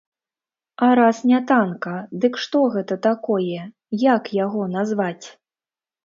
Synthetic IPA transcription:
ɐɾasnʲat̪ankɐd̪ɨkʂt̪ɔɣɛt̪ɐt̪akɔjɛ | jakjaɣɔnazvat͡sʲ

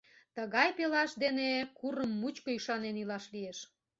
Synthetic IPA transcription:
t̪əɣɑjpelɑʃd̪enekurəmːut͡ɕkoyʃɑnenilɑʃlieʃ

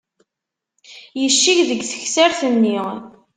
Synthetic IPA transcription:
jəʃːiʝðəɡθə̥çsæɾθənːi

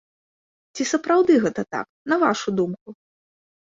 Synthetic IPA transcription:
t͡sʲisɐpɾawd̪ɨɣɛt̪ɐt̪a̰k | nɐvaʂud̪umku

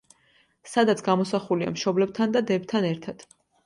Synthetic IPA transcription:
sad̪at̪sʰɡamɔsaχulia̰mʃɔblɛb̚t̪ʰand̪ad̪ɛbt̪ʰanɛɾt̪ʰad̪̥

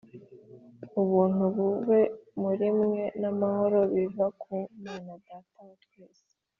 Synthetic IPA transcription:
uβuːn̥uβuβe̞muɾimŋe̞namaho̞ɾo̞βivakʰumanadatatweːse̥

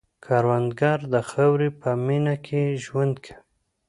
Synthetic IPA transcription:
kʰɑɾwand̪ɡɑɾd̪əxawɾipəminakʰeʒwand̪kʰḁ

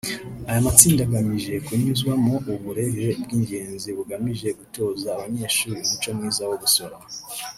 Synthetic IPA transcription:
ajamat͡siːndaɡamiʒe̞kuɲizwamoʔuβuɾe̞heb̚ɡiːɲɟe̞ːnziβuɡamiʒe̞ɡuto̞ːzaːβaɲe̞ːʃuːɾinit͡ʃo̞mŋiːzawoβuso̞ɾa

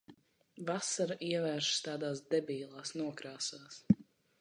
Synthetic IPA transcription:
vasaɾaʔiɛvæːɾʃst̪ɑːd̪aːsd̪ɛbiːlˠaːsnuɔkɾaːsaːs

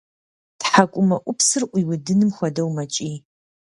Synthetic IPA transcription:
tħakʷʼʊmɐʔʷʼʊpsɨrʔʷiwʊdɨnɨmxʷɐdɐwmɐt͡ʃʼiː

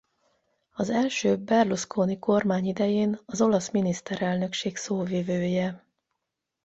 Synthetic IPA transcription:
ɒzɛlʃøːbɛrluskʰoːniko̞rmaːɲid̪ɛjeːnɒzo̞lɒsminist̪ɛɾɛlnø̞kʃeːksoːvivøːjɛ

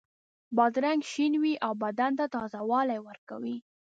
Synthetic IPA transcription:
bɑd̪ɾaŋɡʃinwiʔawbad̪ant̪at̪ɑzawɑlajwəɾkawi

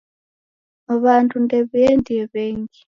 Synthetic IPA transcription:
βantʰundɛβiɛndiɛβɛːŋɡi

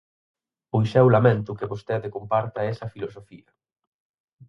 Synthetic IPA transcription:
ujʃɛwlamẽnt̪ʊkɪβost̪ɛðekompaɾt̪ɐɛsɐfilosofiɐ

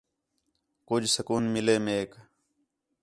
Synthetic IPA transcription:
kʊd͡ʒʱsəkuːnmɪleːmeːk

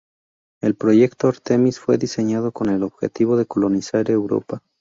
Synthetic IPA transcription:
e̞lpɾo̞ʝe̞kt̪oaɾt̪e̞misfwe̞ðise̞ɲaðo̞ko̞ne̞lo̞βxe̞̰t̪iβo̞ðe̞ko̞lo̞nisaɾe̞wɾo̞̰pa

